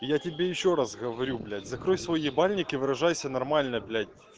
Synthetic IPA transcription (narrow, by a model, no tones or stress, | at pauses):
jatʲɪbʲejɪɕːoɾasɣəvɐɾʲublʲædʲzɐkɾojʲsvojɪbalʲnʲɪkʲɪvɨɾɐʐajsʲənɐrmalʲnəblʲædʲ